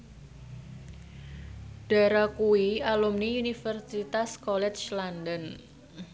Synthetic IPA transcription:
ɖ̥a̤ɾakuwialumniunifərsit̪askɔlɛt͡ʃlandən

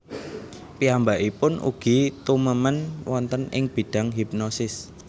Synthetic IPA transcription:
piambaʔipʊnʔṵɡ̥i̤t̪uməmənwɔnt̪ənɪ̰ŋb̥i̤ɖ̥a̤ŋɦip̚nosɪs

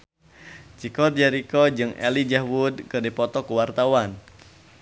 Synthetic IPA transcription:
t͡ʃikɔt̪̚d͡ʒaɾikɔd͡ʒɨŋɛ̰lid͡ʒahwudkədepɔt̪ɔkuwart̪awan

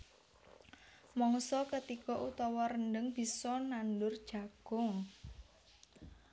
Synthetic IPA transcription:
mɔŋsɔkət̪ikɔʔut̪ɔwɔɾənɖəŋb̥i̤sɔnandʊrd̥ʒ̥a̤ɡ̥ɔŋ

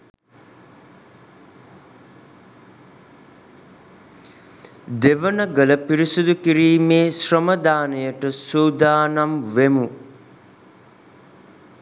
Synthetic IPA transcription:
d̪eʋənəɡələpiɾisud̪ukiɾiːmeːsrəməd̪aːnəjəʈəsuːd̪aːnamʋemu

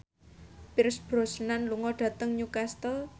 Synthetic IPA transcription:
piɾsb̥ɾɔ̤sənanluŋɔɖ̥ä̤t̪əŋɲukast̪ə

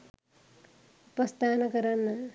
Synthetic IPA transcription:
upɐst̪ʰaːnɐkɐɾɐnːɐ

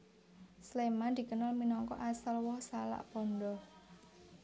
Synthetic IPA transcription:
slemand̪̥i̤kənɔlminɔŋkɔ̰ʔasalwɔhsala̰ʔpɔnɖ̪ɔ

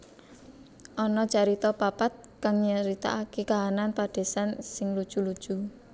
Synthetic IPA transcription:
ʔɔnɔd͡ʒaɾit̪ɔpapat̪̚kaŋɲəɾit̪a̰ʔakekaɦananpaɖ̥e̤sansɪŋlud̥ʒ̥ṳlud̥ʒ̥ṳ

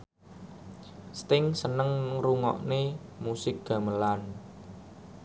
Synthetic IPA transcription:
st̪ɪŋsənəŋruŋɔ̰ʔnemusɪk̚ɡ̥a̤məlan

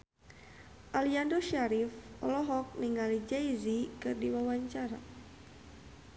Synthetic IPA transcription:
ʔaliandoʃaɾifɔ̰lɔɦɔk̚niŋalid͡ʒajzikɨrdiwawaɲt͡ʃaɾa̰

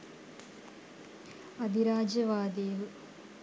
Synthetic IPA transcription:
ɐd̪ʱiɾaːd͡ʒɐʋaːd̪eːlu

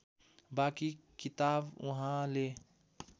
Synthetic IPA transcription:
baːkikɪt̪aːbwɐɦãleː

